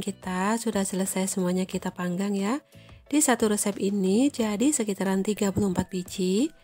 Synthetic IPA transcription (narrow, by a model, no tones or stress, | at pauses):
kit̪asudahsələsajsəmuaɲakit̪apaŋɡaŋjad̥isat̪uɾəsɛpinid͡ʒadisəkit̪aɾant̪iɡapulumpat̪̚bid͡ʒi